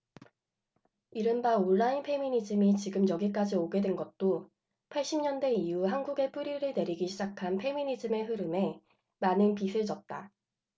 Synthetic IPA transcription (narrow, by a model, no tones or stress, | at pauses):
iɾɯnbaoɭːainpʰe̞miɲid͡ʑɯmit͡ɕiɡɯmjʌɡik͈ad͡ʑioɡe̞dwenɡʌt̚t͈o | pʰaɭɕ͈imɲʌnde̞ijuɦanɡuɡe̞p͈uɾiɾɯɭne̞ɾiɡiɕʰid͡ʑakʰanpʰe̞miɲid͡ʑɯme̞ɦɯɾɯme̞ | manɯnpisʰɯɭd͡ʑʌt̚t͈a